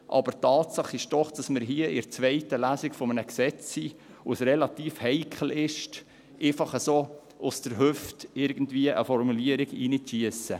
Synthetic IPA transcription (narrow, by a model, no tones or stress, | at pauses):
ʔɑ̰bəɾtɑːtsɑχːɪʃd̥ɔχd̥ɑsməɾɦiəɪɾt͡sʋɛɪtəlæːsɪkfɔmənəksɛt͡sːiːʋosrɛlɑtiːfhɛɪkχəl̩ɪʃt | ʔeːfɑχəsoː | ʔʊsd̥əɾɦʉftɪɾɡən̩dviəʔəfɔɾmuliəɾɪɡḭːnitʃiəsə